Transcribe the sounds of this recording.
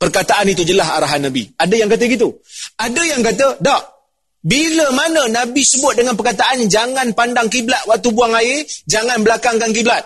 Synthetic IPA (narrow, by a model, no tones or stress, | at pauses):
pərkat̪aʔanit̪ud͡ʒəlaɦa̰ɾaɦanːabḭadajaŋkat̪̬əɡit̪uadəjaŋkat̪̬ədahʔ | biləmanə̃nãbisəbʊt̪̚dəŋanpərkat̪̬aʔand͡ʒaŋanpandaŋkiblaʔ̪̚waʔ̚t̪ubuaŋaɪd͡ʒaŋanbəlakaŋkankiblat̪̚